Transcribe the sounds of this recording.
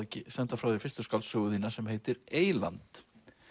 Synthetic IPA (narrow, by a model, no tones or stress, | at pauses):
ɛcɪsɛnt̪afɾawðɪɾfɪ̥st̪ʏ̥skawlsʏɣʏðiːnasɛmɦeːjt̪ɪɾeːjla̰nt̪